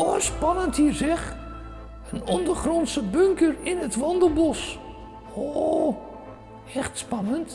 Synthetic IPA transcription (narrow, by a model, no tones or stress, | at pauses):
ospɑnənthiːərzɛx | ənɔndərχrɔnsəbøŋkərɪnətʋɔndərbɔs | o | ɛxtspɑnənt